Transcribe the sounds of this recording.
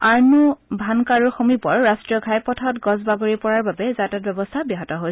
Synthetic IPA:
aɹnubʱankaɹuxomipɔɹːastɹijɔɡʱajpɔtʰɔtɡɔzbaɡoɹipɔɹaɹbabɛzatat̚bɛbɔstʰabiɦɔtɔɦoj

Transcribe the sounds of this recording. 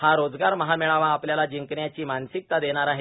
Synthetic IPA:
haɾod͡zɡaɾməɦamiɭaʋãapljalad͡ʑiŋkɳjat͡ɕiːmansik̚t̪ad̪eɽ̃aɾaɦe

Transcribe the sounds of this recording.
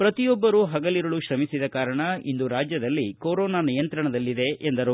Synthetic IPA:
pɾɐt̪ijɔbːɐɾuɦɐɡɐliɾɐɭuʃɾɐmisid̪ɐkaːɾɐɳɐḭnd̪uɾaːd͡ʒjɐd̪ɐlːikoːɾɔːnaːnijɐnt̪ɾɐɳɐd̪ɐlːid̪e̞ʔːnd̪ɐɾu

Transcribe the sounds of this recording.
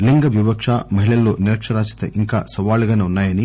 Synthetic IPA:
liŋɡɐʋiʋɐkʂaːmɐɦiɭɐlːoːniɾɐkʂɐɾaːt͡ʃi̥t̪ɐ̰ʔiŋka̰ːsɐʋaːluɡɐneunːaːjɐni

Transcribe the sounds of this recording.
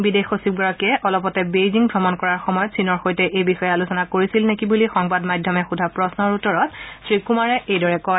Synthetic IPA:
bidexosib̚ɡɔɹɔkiɛʔɔlɔpɔtɛbejziŋbʱɹɔmɔnkɔɹaɹxɔmɔjɔtsinɔɹxojtɛʔejbixɔjalusɔnakoɹisilnekibulixɔŋbadmadʱɔmɛxudʱapɹɔsnɔɹutɔɹɔtsɹikumaɹɛejdɔɹɛkɔj

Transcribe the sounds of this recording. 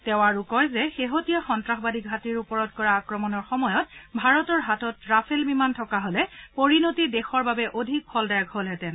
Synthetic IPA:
tɛw̃aɹukɔjzɛxeɦotijaxɔntɹaxbadik̚ɡʱatiɹupɔɹɔtkɔɹaːkɹɔmɔnɔɹxɔmɔjɔtbʱaɹɔtɔɹɦatɔtɹapʰelbimantʰɔkaɦolɛpoɹinotidɛxɔɹbabɛʔodʱik̚pʰɔldajaɡɦolɦɛtɛn

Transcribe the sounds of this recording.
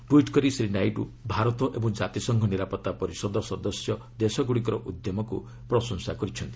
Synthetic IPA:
ʈwiʈkɔɾisɾinajɖṵbʱaɾɔt̪ɔʔebɔŋd͡ʒat̪isɔŋkʰɔniɾapɔt̪ːapɔɾisɔd̪ɔsɔd̪ɔsjɔ | d̪esɔɡuɽikɔɾɔʔud̪jɔmɔku | pɾɔsɔŋsakɔɾit͡ʃʰɔnt̪i̥

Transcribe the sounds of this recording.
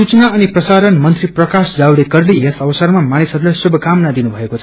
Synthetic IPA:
sut͡snaʌniprʌsaɾʌnmʌnt̪riprʌkasd͡zawɽekʌrlijesʌʋʌsʌrmamanisɦʌd̪lasubʱʌkamnad̪inubʱʌekot͡sʰ

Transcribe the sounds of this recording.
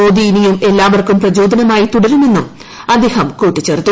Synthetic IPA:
o̞ːd̪iinijume̞lːaːʋɐrkumprɐd͡ʑo̞ːd̪ʱɐnɐmaːjit̪uɽɐɾume̞nːum | ɐd̪ʱeːhɐmkuːʈːit͡ɕːeːrt̪ːu

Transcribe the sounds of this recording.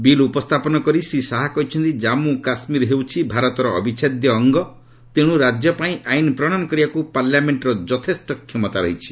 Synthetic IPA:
bilupɔst̪ʰapɔnɔkɔɾisisaɦakɔɦit͡ʃʰɔnt̪id͡ʒamukasmiɾɦewt͡ʃʰibʱaɾɔt̪ɔɾɔ̰ːbʱit͡ʃʰed̪jɔːŋɡɔ | t̪eɽ̃uɾad͡ʒjɔpaĩʔajnpɾɔɽ̃anɔkɔɾiakupaɾljameɳʈɾɔd͡ʒɔt̪ʰesʈɔkʰːemɔt̪aɾɔ̰ɦit͡ʃʰi̥

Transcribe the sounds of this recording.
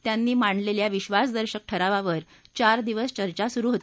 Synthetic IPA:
t̪janːiːmaɳleljaʋiɕʋasd̪əɾɕək̚ʈʰəɾaʋaʋəɾ | t͡ɕaɾd̪iʋəst͡ɕəɾt͡ɕasuɾuːɦot̪

